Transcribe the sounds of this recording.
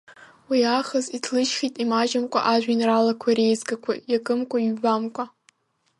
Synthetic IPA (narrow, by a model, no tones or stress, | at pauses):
wiaχazitʰlɨʃχʲitʼimaʒɪmkʷʼa̰ʔaʒʷᶣinralakʷʰaɾejzɡakʷʰa̰jakʼɨmkʷʰʼaɥɥbamkʷʼa